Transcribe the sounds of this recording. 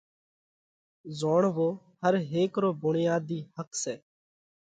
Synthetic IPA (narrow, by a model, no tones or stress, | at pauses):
zoːɳʋoː | həɾɦeːkɾoːbʊɳɪjaːd̪iːhəksɛː